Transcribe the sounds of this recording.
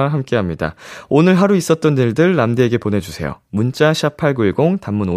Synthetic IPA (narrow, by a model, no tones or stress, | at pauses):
ɦamk͈e̞ɦamɲida̰onɯɭɦaɾuis͈ʌt̚t͈ʌnːiɭdɯɭːamdeːɡe̞ponɦe̞d͡ʑusʰe̞̰jo̰munt͡ɕ͈aɕʰiapʰaɭɡɯiɡoŋtamːuno